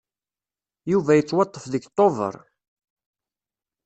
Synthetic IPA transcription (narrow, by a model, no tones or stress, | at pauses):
juvæjət͡sːwɑt̪ˤːəfðəɡt̪ˤːovə̰ɾˤ